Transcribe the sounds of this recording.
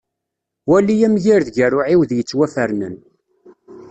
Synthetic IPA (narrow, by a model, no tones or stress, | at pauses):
wælijæmʝiɾðʝærʊʕiwðjət͡sːwæfəɾnə̰n